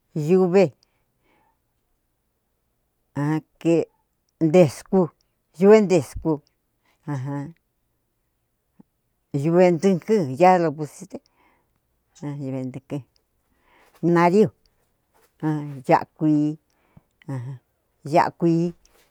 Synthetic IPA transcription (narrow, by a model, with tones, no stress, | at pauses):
ju˧βe˧ | ã˧ke˧ | nd̪e˧˨sku˧ | ju˧βe˦nd̪e˨sku˧ | ã˧ɦã˧ | ju˧βe˧nd̪ɨ̃˧kɨ˦ja˦˧lo˧pu˧si˦t̪e˦ | ã˧ju˧βe˧nd̪ɨ˧ke˧ | nĩ˧nã˧ɾi˦o˨ | ã˧ja̰˦˧ʔkʷiː˧˦ | ã˧ɦã˧ | ja̰˦˧ʔkʷiː˧˦